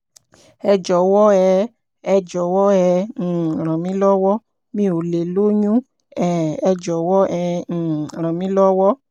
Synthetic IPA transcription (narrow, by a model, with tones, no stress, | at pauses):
ɛ˧d͡ʒɔ˨wɔ˦ɛ˨˧˦ | ɛ˧d͡ʒɔ˨wɔ˦ɛ̃˧˨ɾ̃ɔ̃˨mĩ˦lɔ˦wɔ˦ | mĩ˦o˨le˨lo˦ɲũ˦ | ɛ˨ɛ˧d͡ʒɔ˨wɔ˦ɛ̃˧˨ɾ̃ɔ̃˨mĩ˦lɔ˦wɔ˦